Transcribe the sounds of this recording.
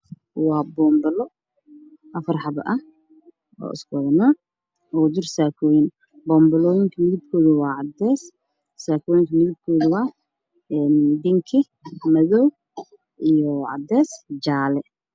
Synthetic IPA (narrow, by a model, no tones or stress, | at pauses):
wɑːbɔːmbɐlɔ | ʔɐfɐrħɑβɐ̰ʔɐh | ɔ̰ːɪ̰skɔðnaː | ɔd̪ʊrsaːkʰɔːjɪn | bɔːmbɐlɔːjɪŋkʰɐmɪðɪb̚kʰɔːðɐwɑːʕɑd̪ɛːs | saːkʰɔːjɪŋkʰɐmɪðɪb̚kʰɔːðʊwɑː | ɛːnɖɪŋkʰɪ | mɐðɔw | ʔijɔʕɑ̰d̪ɛːsd͡ʒaːlɛ